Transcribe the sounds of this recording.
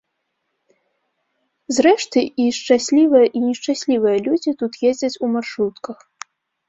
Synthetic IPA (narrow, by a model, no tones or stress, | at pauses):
zɾɛʂt̪ɨiʂt͡ʂasʲlʲivɨjɐʔinʲɛʂt͡ʂasʲlʲivɨjɐlʲud͡zʲit̪ut̪jezʲd͡zʲɐt͡sʲumarʂɾut̪kɐx